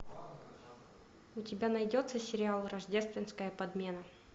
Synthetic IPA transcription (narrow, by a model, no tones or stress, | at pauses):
ʊtʲɪbʲanɐjdʲot̪səsʲɪɾʲɪalˠrɐʐdʲe̞st̪vʲɪnskəjəpɐd̪mʲe̞nə